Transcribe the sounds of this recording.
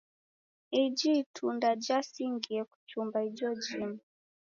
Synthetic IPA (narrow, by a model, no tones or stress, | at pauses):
id͡ʒitʰundad͡ʒasiŋɡiɛku̥t͡ʃumbaid͡ʒɔd͡ʒimu